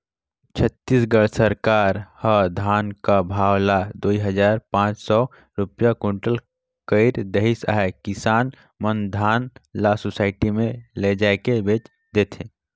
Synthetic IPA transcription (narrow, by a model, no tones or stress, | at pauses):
t͡ʃʰət̪ːiːsɡəɽsəɾkaːɾhəd̪ʱaːnkabʱaːwlad̪oːiɦəd͡ʒaːɾpãːt͡ʃsɔ | ɾʊpjakõɳʈəl | kəɪɾd̪eɦɪsa̰ːɦɛkɪsaːn | mənd̪ʱaːnlasosaːɪʈimẽled͡ʒaːekebeːt͡ʃ | d̪eːt̪ʰẽː